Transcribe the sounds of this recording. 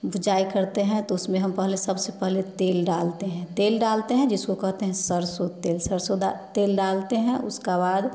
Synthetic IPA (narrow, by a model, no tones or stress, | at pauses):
bʱʊd͡ʒaːikɐɾt̪eɦɛ̃t̪oʊsmẽɦɐmpɛɦlesəbsepɛɦlet̪eːlɖaːlt̪eɦɛ̃t̪eːlɖaːlt̪eɦɛ̃d͡ʒɪskokɐɦt̪eɦɛ̃səɾsot̪eːlsəɾsoat̪eːlɖaːlt̪eɦɛ̃ʔʊ̰skabaːd̪